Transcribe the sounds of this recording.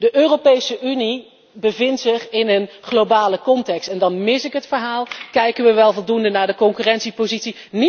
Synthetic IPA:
dəʔøːrowpejsəʔyni | bəvɪntsɪχɪnən | χlobaːləkɔntɛkstɛndɑnmɪsɪkɦətfəɹɦaːlˠkɛjkənʋəʋɛlˠvɔlˠdundənaːɹdəkɔŋkyːrɛnsipozitsi | ni

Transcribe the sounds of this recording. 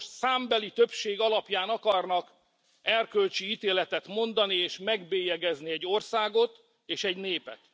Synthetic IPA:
saːmbɛlit̪ø̞pʃeːɡɒlɒpjaːnɒkɒrnɒk | ɛrkølt͡ʃiit̪eːlɛt̪ɛt̪mo̞nd̪ɒnieːʃmɛɡbeːjɛɡɛzniɛɟːo̞rsaːɡo̞t̪ | eːʃɛɟneːpɛt̪

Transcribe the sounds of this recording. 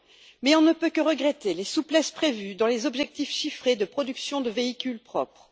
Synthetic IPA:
mɛɔ̃nəpøkəʁəɡʁɛt̪elesuplɛspχevyd̪ɑ̃lezɔbʒɛk̚t̪ifʃifχed̪əpχɔd̪yksjɔ̃d̪əveikʲylpχɔpχ

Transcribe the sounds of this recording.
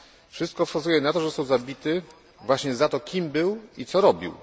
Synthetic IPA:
fʂɘst̪̚kɔfkazujɛnat̪ɔʐɛsɔwzabʲit̪ɘ | vwaɕɲɛzat̪ɔkʲʰimbɘwit̪sɔɾɔbʲḭw

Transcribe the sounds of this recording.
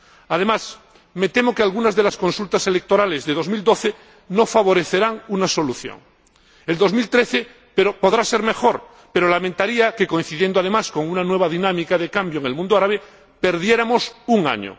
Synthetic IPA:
að̞e̞mas | met̪e̞mo̞kealɣunazðe̞lasko̞nsult̪ase̞lek̚t̪o̞ɾalezðeð̞o̞zmild̪o̞θe | no̞faβo̞ɾeθe̞ɾaŋunaso̞luθjo̰ŋ | eld̪o̞zmilt̪ɾeθe | peɾopo̞ðɾase̞ɾme̞xoɾ | pe̞ɾo̞lamẽnt̪aɾiake̞ko̞in̟θiðje̞nd̪oaðemasko̞ŋunanwe̞β̞aðinamikaðekambjoeŋe̞lmũnd̪oaɾaβe | pe̞ɾðje̞ɾamosuŋa̰ɲo̰

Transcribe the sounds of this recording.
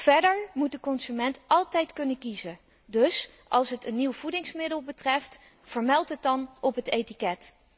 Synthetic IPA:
v̥ɛɹdəɹmut̚dəkɔnzymɛntʔɑlˠtɛjtkɵnəkizə | dɵs | ʔɑlˠsɦətənːiwv̥udɪŋsmɪdəlˠbətrɛft | v̥əɹmɛlˠtɦət̚dɑnɔpɦətejtikɛt

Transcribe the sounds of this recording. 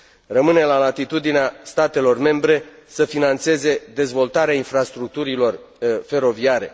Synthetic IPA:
rəmɨne̞lalat̪it̪ud̪ineast̪at̪e̞lo̞rme̞mbɾe̞səfinant̪se̞ze̞d̪e̞zvo̞lt̪aɾeainfɾast̪ɾuk̚t̪uɾilo̞r | fe̞ɾo̞viaɾe̞̰

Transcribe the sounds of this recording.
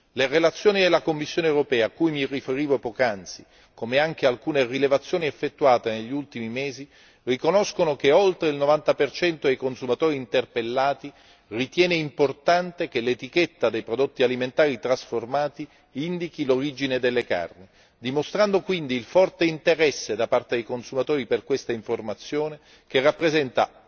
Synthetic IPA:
lerelat̪sːjoːnid̪elakomːisːjoːnewɾopɛːaːkːujmirːifeɾiːvopokant̪si | komeaŋk̟ealkuːnerilevat̪sːjoːniefːet̪ːuaːt̪eneʎːiult̪imimeːzi | rikonoskonok̟eolt̪ɾeilnovant̪apert͡ʃɛnt̪od̪ejkonsumat̪oːɾiːnt̪erpelːaːt̪i | rit̪jɛːneimport̪ant̪ek̟elet̪iket̪ːad̪ejpɾod̪ot̪ːialiment̪aːɾit̪ɾasformaːt̪i | ind̪ikiloɾid͡ʒined̪elːeka̰rni | d̪imost̪ɾand̪okwind̪iːlfɔrt̪eint̪eɾɛsːed̪apart̪ed̪ejkonsumat̪oːɾiperkwest̪aiɱformat̪sːjoːne | k̟erːapːɾezɛnt̪a

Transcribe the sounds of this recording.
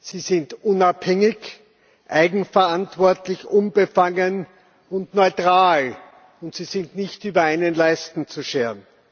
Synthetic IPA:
siːzɪntʔʊnaphɛŋɪç | ʔaɪɡŋ̩fɐantv̥ɔɐtlɪçʔʊnbəfaŋən | ʊntnɔʏtʁ̥aːl | ʊntsiːzɪntnɪçtyːbɐaɪnənlaɪstn̩t͡suʃeːən

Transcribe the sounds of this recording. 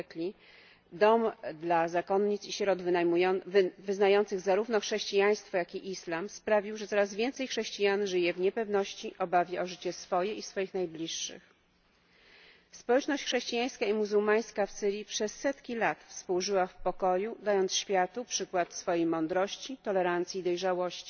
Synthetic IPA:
klʲi | d̪ɔmd̪lazakɔnɲit̪siɕɾɔd̪v | vɘznajɔnt̪sɘɣzaɾuvnɔxʂɛɕt͡ɕijaj̃st̪fɔjakʲiʔislamspɾavʲiwʐɛt̪sɔɾazvʲjɛnt̪sɛjxʂɛɕt͡ɕijanʐɘjɛvɲɛpɛvn̪ɔɕt͡ɕiʔɔbavʲjɛʔɔʐɘt͡ɕɛsfɔjɛisfɔjixnajblʲiʂːɘ̰x | spɔwɛt͡ʂnɔɕt͡ɕxʂɛɕt͡ɕijaj̃skaimuzuwmaj̃skafsɘɾʲjipʂɛsːɛt̪kʲilat̪fspuwʐɘwafpɔkɔjud̪ajɔnt̪sɕfʲjat̪upʂɘkwat̪sfɔjejmɔnd̪ɾɔɕt͡ɕit̪ɔlɛɾant̪sʲjiːd̪ɔjʐawɔɕt͡ɕi̥

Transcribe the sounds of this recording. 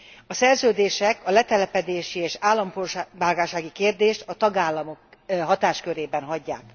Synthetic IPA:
ɒsɛrzøːd̪eːʃɛkɒlɛt̪ɛlɛpɛd̪eːʃieːʃaːlːɒmporʃbaːlɡaːʃaːɡikeːrd̪eːʃt̪ɒt̪ɒɡaːlːɒmo̞kɦɒt̪aːʃkøɾeːbɛnɦɒɟːa̰ːk

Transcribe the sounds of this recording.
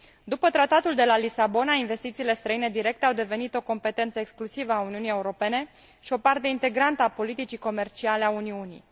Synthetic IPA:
d̪upət̪ɾat̪at̪uld̪e̞lalisabo̞nainve̞st̪it̪siːle̞st̪ɾəine̞d̪iɾe̞k̚t̪eawd̪e̞ve̞nit̪o̞ko̞mpe̞t̪e̞nt̪səeksklusivəauniunije̞uɾo̞pe̞ne̞ | ʃio̞part̪e̞int̪e̞ɡɾant̪əapo̞lit̪it͡ʃiko̞me̞rt͡ʃialeauniunḭj

